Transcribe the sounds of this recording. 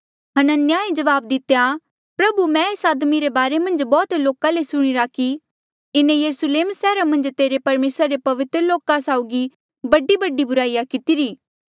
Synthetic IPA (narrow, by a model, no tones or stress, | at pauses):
ɦɐnənjaẽd͡ʒɐʋaːb̚d̪ɪt̪ːja | pɾɐbumɛ̃eːsaːd̪miɾebaːɾemɐ̃nd͡ʒbɔːt̪loːkãlesʊɽ̃iɾaki | ɪnẽjɐɾusleːmsɛːɾamɐ̃nd͡ʒt̪eːɾepɐɾmeːsɾaɾepɐʋɪt̪ɾəloːkasaːʊɡi | bɐɖibɐɖːibʊɾaːijakɪt̪iɾiː